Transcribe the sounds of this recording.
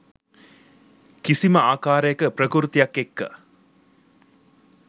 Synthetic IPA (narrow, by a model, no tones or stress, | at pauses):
kisiməaːkaːɾəjəkəprəkuɾt̪ijakːekːə̰